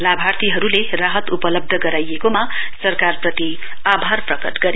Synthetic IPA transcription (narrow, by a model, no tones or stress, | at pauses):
labʱart̪iɦʌɾuleraɦʌt̪upʌlʌb̚d̪ʱʌɡʌɾajekoma | sʌrkarprʌt̪i | abʱarprʌkʌt̪ɡʌɾe